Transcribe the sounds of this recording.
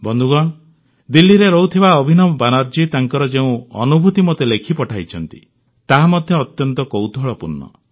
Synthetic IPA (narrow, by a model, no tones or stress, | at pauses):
bɔnd̪ʱuɡɔ̃ | d̪ilːiɾeɾɔwt̪ʰibaɔbʱinɔmɔbanaɾd͡ʒit̪aŋkɔɾɔd͡ʒeũɔ̰nubʱut̪imɔt̪elekʰipɔʈʰajt͡ʃʰɔnt̪ḭ | t̪aɦamɔd̪ʱjɔːt̪jɔnt̪ɔkowd̪ʱɔɭɔpuɾnːɔ̰